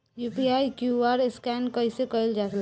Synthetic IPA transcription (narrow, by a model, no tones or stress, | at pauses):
jupiajkjuaɾeskɛnkəisekəild͡ʒat̪l